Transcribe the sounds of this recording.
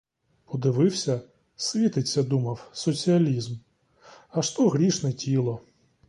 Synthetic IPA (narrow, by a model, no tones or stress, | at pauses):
pɔd̪ɪʋɪwsʲɐ | sʲʋʲit̪ɪt͡sʲːɐd̪umɐwsɔt͡sʲiɐlʲizm | ɐʃt̪ɔɣɾʲiʂnɛtʲʰilˠɔ